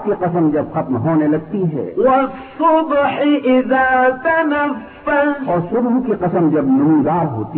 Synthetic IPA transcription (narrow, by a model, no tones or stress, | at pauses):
kiqɐsəmd͡ʒɐbxɐt̪mɦoːnelɐɡ̚t̪iɦɛ̰ːwɐsʊbħiʔɪðaːt̪ɐnɐfːalɔːɾsʊbɦkiqɐsəmd͡ʒɐbnʊmud̪aːɾɦo̰ːt̪i